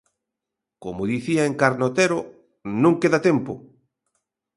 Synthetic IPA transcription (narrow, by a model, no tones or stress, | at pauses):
komoðiθiaeŋkaɾnot̪eɾo | nũŋkeðat̪ɛmpo